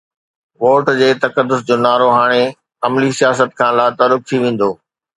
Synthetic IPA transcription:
ʋoːʈd͡ʑeːt̪ɐkəd̪ːʊs̬d͡ʑoːnaːɾoɦaːɽ̃e | ɐmlisijaːsət̪̚kʰãːlaːt̪əɾʊk̚t̪ʰiʋẽːn̆d̪oː

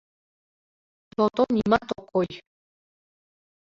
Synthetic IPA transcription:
t̪ot̪onimat̪okoj

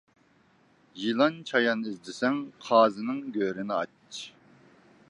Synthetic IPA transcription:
jilˠɑnt͡ʃʰɑjɑnizd̪ɪsɛŋqʰɑːzɨnɨŋɡʲøɾɪnɪɑ̰t͡ʃ

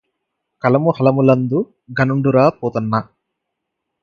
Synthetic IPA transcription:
kɐlɐmuhɐlɐmulɐnd̪u | ɡʱɐnuɳɖuɾaːpoːt̪unːɐ

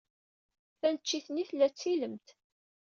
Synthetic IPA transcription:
θænət͡ʃːiθniθlːæt͡sːiləmt̪

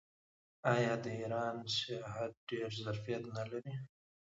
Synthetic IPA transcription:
ɑjɑd̪əiɾɑnsjɑɦat̪̚ɖeɾzaɾfijat̪nalaɾi

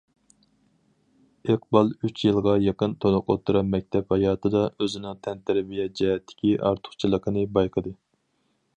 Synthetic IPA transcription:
eq̚bɑlˠyt͡ʃjɨlˠʁɑjɑqənt̪ʰonʊqot̪ʰːuɾɑnmɛk̚ʲt̪ʰɛphɑjɑːt̪ʰɨd̪ɑøzɪnɨŋt̪ʰɛnt̪ʰæɾbijɛd͡ʒɛɦɛt̪ʰːɪ̥kʲiʔɑ̰ɾt̪ʰʊ̥χt͡ʃʰilˠəqʰənɨbɑjqʰəd̪ɨ

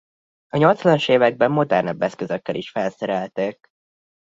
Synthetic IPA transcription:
ɒɲo̞lt̪slɒnʃeːvɛɡ̚bɛmːo̞d̪ɛ̰rnɒbːɛskøzøkːɛlʔiʃfɛlsɛɾɛlt̪eːk̚

